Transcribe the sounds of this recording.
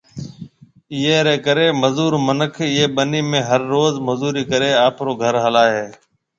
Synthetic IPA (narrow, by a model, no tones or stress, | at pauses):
ɪɦeːɾeːkəɾeːməzuːɾmənəkʰɪɦeːɓəniːmẽːɦəɾːoːzməzuːɾiːkəɾeːaːpʰɾoːɡʱəɾɦəlaːɦeː